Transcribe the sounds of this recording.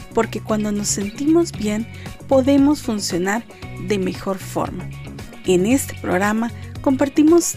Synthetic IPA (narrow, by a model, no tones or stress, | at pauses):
po̞ɾke̞kwand̪o̞no̞sːe̞nt̪imo̞zbje̞n | po̞ðe̞mo̞sfunsjo̞naɾ | ðe̞me̞xo̞ɾfo̰ɾma | ene̞st̪e̥pɾo̰ɣɾamako̞mpaɾt̪imo̞s